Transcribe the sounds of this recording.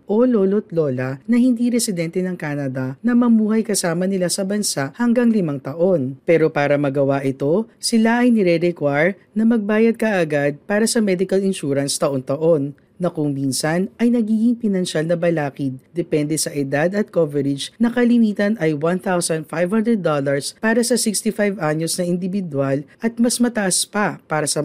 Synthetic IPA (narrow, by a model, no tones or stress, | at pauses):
ʔo̞lolot̪loːlɐnɐhɪnd̪iɾɛsɪd̪ɛnt̪ɛnɐŋkaːnɐd̪ɐnɐmɐmuːhɐjkɐsaːmɐnɪlasɐbɐnsaʔhɐŋɡaŋlɪmaŋt̪ɐʔo̞npɛːɾo̞paːɾɐmɐɡɐwaʔɪt̪o̞sɪlaʔɐjnɪɾɛɾɛkwajɹ | nɐmɐɡ̚baːjɐd̪̚kɐʔaɡad̪̚paːɾɐsɐmɛd̪ɪkɐlɪnʃuɾɐnst̪ɐʔont̪ɐʔo̞nː | ɐkʊŋminsɐnʔɐjnɐɡiːɡɪŋpɪnɐnʃalnɐbɐlaːkɪd̪̚d̪ɛpɛnd̪ɛsɐʔɛd̪ad̪ɐt̪̚kovɛɾɪd͡ʒnɐkɐlɪniːt̪ɐnʔɐjwɐnt̪awsɐnd̪fajvhand̪ɾɛd̪ːolɐɹspaːɾɐsɐsɪkst̪ifajvaɲosnɐʔɪnd̪ɪvɪd̪walʔɐt̪̚mɐsmɐt̪ɐʔaspɐpaːɾɐsɐ